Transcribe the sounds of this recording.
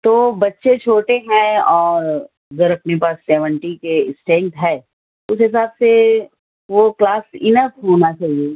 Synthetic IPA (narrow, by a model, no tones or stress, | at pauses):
t̪oːbɐtːʃet͡ʃʰoːʈeɦɛ̃ɔːɾ | ɐɡəɾɐpnepaːsːɛːʋə̃ɳʈikeɪsʈɛ̃ːŋk̚ʈɦɛː | ʊsɦɪsaːbse | ʋoklaːsɪnəfɦoːnat͡ʃaːɦie